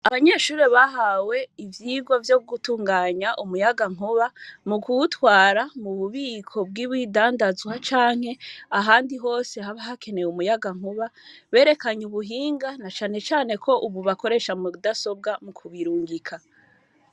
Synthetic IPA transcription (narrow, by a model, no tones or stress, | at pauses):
aβaɲe̞ːʃuːɾeβaɦawe̞ivjiːɡwovjoɡutuːŋɡaːɲaʔumujaɡaŋ̥uβamukuutwaːɾamuβuβiːkʰo̞b̚ɡiβwiːdaːndazwat͡ʃaːŋ̥he̞aɦaːndiɦo̞ːse̞ɦaβaɦakʰe̞nejumujaɡaŋ̥uβaβe̞ːɾe̞kaɲuβuɦiːŋɡanat͡ʃaːne̞t͡ʃaːne̞kʰo̞ʔuβuβako̞ɾe̞ːʃamudaso̞b̚ɡamukʰuβiɾuːŋɡikʰa